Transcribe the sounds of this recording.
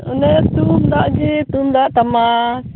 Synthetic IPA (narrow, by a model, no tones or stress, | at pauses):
unɛt̪umdaʔɡit̪umd̪aʔt̪ama